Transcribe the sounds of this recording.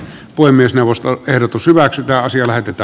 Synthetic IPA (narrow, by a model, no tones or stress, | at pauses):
poˑemːˑiesneˑuʋˑost̪oʔehrot̪ushyʋæksyt̪æːɑsiɑlæhet̪et̪ˑæː